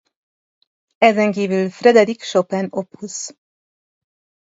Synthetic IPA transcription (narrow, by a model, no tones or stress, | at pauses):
ɛzɛŋkiːvylfrɛd̪ɛd̪ikʃopɛnophus